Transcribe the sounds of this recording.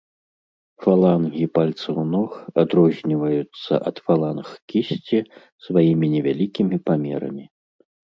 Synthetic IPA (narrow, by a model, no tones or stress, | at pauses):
falˠanɣʲipalʲt̪sɨwnɔxad̪ɾɔzʲnʲivɐjut̪sːɐ̰ʔɐt̪falˠanxkʲisʲt͡sʲi | svajimʲinʲɛvʲalʲikʲimʲipamʲɛɾɐ̰mʲi